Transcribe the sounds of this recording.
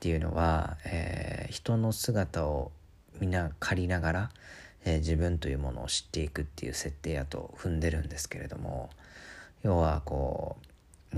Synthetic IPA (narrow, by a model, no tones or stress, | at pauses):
t̪ːe̞jɯ̟no̞̰βa̰ḛːçi̥t̪o̞no̞sɨɡat̪ao | mʲinakʰaɾʲinaɡaɾaeːd͡ʑibɯ̟̃nt̪o̞jɯ̟ːmo̞̰no̞̰ːɕi̥t̪ːe̞ikɯ̟t̪ːe̞jɯ̟̰ːse̞t̪ːe̞ːjat̪o̞̰ɸɯ̟̃nd̪e̞ɾɯ̟̃nd̪e̞sɨ̥ke̞ɾe̞d̪o̞̰mo̞̰ | jo̞ːβako̞̰ː